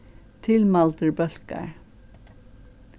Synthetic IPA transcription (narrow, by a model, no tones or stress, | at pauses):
t̪ʰɪlmɑlt̪əɹbœlkə̰ɹ